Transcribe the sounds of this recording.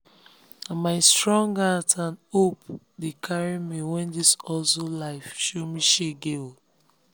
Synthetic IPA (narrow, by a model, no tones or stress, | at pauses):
amaɪstɹɔ̃ŋɡatãnop | dekʰaɹimiwɛ̃ndisɔsolaɪfʃomiʃeɡeo